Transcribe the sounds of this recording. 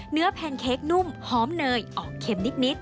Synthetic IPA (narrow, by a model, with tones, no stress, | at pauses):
nɯ˦˥ɐpʰɛː˧nkʰeː˦˥k̚nu˥˩mhɔː˩˦mnɤː˧jʔɔː˨˩kʰe˧mni˦˥t̪̚ni˦˥t̪̚